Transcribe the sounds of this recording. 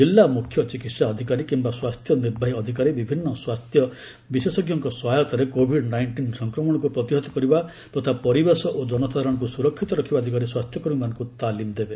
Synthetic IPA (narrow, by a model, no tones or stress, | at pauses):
d͡ʒilːamukʰjɔt͡ʃikit̪saɔd̪ʱikaɾikimbaswast̪ʰjɔniɾbʱaɦiɔd̪ʱikaɾebibʱinːɔswast̪ʰjɔ | bisesɔɡjɔŋkɔsɔɦajɔt̪ɔɾekobʱiɖnajɳʈinsɔŋkɾɔmɔɽ̃ɔk̬upɾɔt̪iɦɔt̪ɔ̥kɔɾiba | t̪ɔt̪ʰapɔɾibesɔʔod͡ʒɔnɔsad̪ʱaɾɔɽ̃ɔŋk̬usuɾɔkʰːit̪ɔɾɔkʰibad̪ʱikaɾiswast̪ʰjɔkɔɾubimanɔ̃ŋkut̪alimd̪ebe